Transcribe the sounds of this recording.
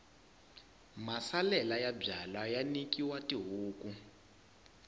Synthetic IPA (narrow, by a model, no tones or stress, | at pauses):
masalɛlajab͡ʐalajanikiwatiɦuːku